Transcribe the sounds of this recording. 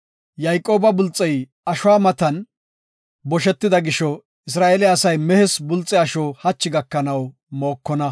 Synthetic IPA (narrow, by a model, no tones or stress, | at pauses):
jajkʼo̞ːbɐbʊlt͡sʼːɛj | ɐʃʊwaːmɐt̪ɐn | bɔʃɛt̪ːɪd̪ɐɡɪʃɔ | ɪs̬ɾaːʔeːlɪɐsɐjmɛhɛsbʊlt͡sʼːɛɐʃɔːhɐt͡ʃːɪɡɐkːɐnɐw | mo̞ːkːɔnɐ